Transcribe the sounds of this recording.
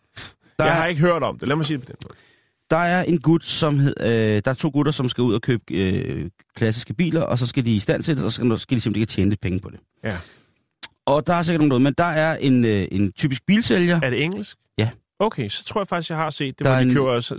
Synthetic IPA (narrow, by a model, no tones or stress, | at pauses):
d̥ɑ̈ɑhɑ̈e̝ɡ̥əɦøɐ̰d̥ɒ̽md̥e̝læmɑ̈siːd̥epʰɒ̽d̥enmɔːð | d̥ɑ̈æɐʔe̝nɡ̥ud̥sɒ̽mhˠd̥ɑ̈æɐt͡sʰo̝̰ːɡ̥uɾɐsɒ̽msɡ̥æuð̞̰ˠɒkʰøːb̥ə̥ø | kʰlæs̬isɡ̥əb̥ḭːlɐʔɒs̬ɒ̽sɡ̥æd̥iːsd̥æn̰sʰed̥əsɒ̽ssɡ̥ædise̝m̥elekʰːt͡ɕʰeːnədepʰeŋnəpʰɒ̽d̥e̝ | ɒ̽d̥ɑ̈ɑse̝ɡɐdnoŋn̥̩ːouð̩̰ˠmend̥ɑ̈æɐʔe̝nøʔe̝nt͡sʰy̰ːb̥isɡ̥̚b̥ḭːlseljɐæɐd̥eeŋ̰l̩sɡ̥jæ | oʊkʰesɒ̥t͡sʰʁoɐ̰jɑ̈fɑ̈ɡ̥isjɑ̈ɪhɑ̈se̝̰ːd̥̚ːedɑikʰo̰ːɐs